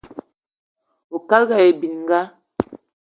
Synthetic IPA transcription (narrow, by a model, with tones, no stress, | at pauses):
o˨ka˦lɡa˨e˨bi˨nŋ˦ɡa˦